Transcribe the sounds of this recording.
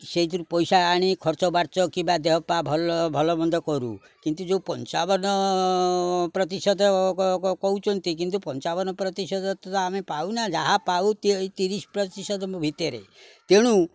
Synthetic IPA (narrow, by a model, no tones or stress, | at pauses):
seit̪uɾupɔjsaːɽ̃ikʰɔɾt͡ʃɔbaɾt͡ʃɔkibad̪eɦɔpabʱɔlɔbʱɔlɔmɔnd̪ɔkɔɾṵ | kint̪ud͡ʒeupɔnt͡ʃabɔnɔ | pɾɔt̪isɔd̪ʱɔkɔut͡ʃʰɔnt̪ikint̪̬upɔnt͡ʃabɔnɔpɾɔt̪isɔd̪ʱɔt̪ɔt̪aːmepaunad͡ʒaɦapaut̪t̪iɾispɾɔt̪isɔd̪ɔmbʱit̪ɔɾḛ | t̪eɽ̃u